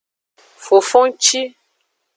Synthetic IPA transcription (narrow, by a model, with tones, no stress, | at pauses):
fo˨fo˦ŋt͡ʃi˦